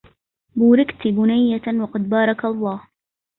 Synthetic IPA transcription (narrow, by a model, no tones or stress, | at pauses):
buːɾɪkt̪ɡʊnajːawɑqɑd̪̚bɑːɾˤɑkɑlˤːɑːh